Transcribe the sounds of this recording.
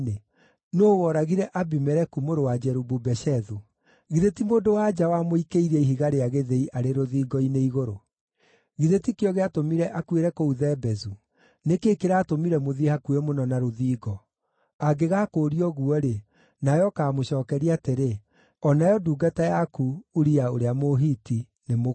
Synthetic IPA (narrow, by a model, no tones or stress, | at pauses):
ne | noːwɔɾaɣiɾɛʔabimɛɾɛkumoɾowad͡ʒɛɾububɛʃɛðu | ɣiðetimoːndowad͡ʒawamoikeiɾɛiɦiɣaɾeaɣeðeiʔaɾeɾoðiːɡɔineiɣoɾo | ɣiðetikeɔɣeatomiɾɛʔakweɾɛkouðɛbɛzu | nekeːkeɾaːtomiɾɛmoðihakuemonɔnaɾoðiːɡɔ | aɡeɣaːkoːɾiɔɣuɔɾe | najɔkaːmoɕɔːkɛɾiateɾe | ɔnajɔduːɡatajakuuɾiaoɾeamoɦiti | nemo